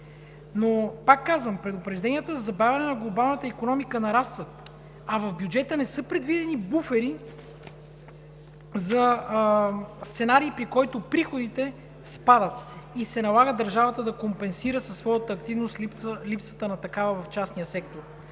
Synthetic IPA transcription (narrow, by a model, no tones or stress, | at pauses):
nopakːazvəmpɾɛd̪ʊpɾɛʒd̪ɛnijət̪əzɐzɐbavʲɛnɛnɐɡlˠobalˠnət̪əikonɔmikənɐɾast̪vət̪ | ɐvɐvbjud͡ʒɛt̪ənɛsɤpɾɛd̪vid̪ɛnibufɛɾi | zɐ | st̪sɛnaɾiːpɾikɔjt̪opɾixod̪it̪ɛ | spad̪ət̪isɛnɐlˠaɡəd̪əɾʒavət̪əd̪ɐkompɛnsiɾəsɐsːvɔjət̪əːk̚t̪ivnost̪liplipsə̥t̪ənɐt̪ɐkavəvɐft͡ʃasnijəsɛkt̪oɾ